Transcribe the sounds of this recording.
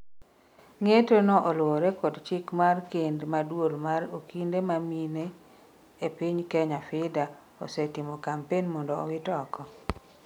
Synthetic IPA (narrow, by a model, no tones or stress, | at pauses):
ŋetonɔʔɔlwɔɾekɔdt͡ʃɪkmarkendmadwolmaɾokindemamine | epiɲkɛɲafɪda | ɔ̰sɛtɪmɔkampenmɔndɔɔ̰wɪtɔkɔ